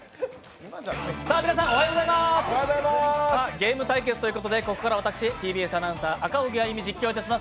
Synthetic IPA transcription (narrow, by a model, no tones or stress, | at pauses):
saːmʲinas̬ãoɦajiɡozaimaszamaaːɡe̞ːmɯ̟t̪aik̬e̞t͡sɨ̥t̪oiɯ̟ko̞t̪o̞d̪e̞ko̞ko̞kaɾaβat̪akɯ̥ɕit̪ʲiːbʲiːesanãɰ̃saːʔakaoɡʲiaimʲid͡ʑikʲːo̞ːit̪aɕimas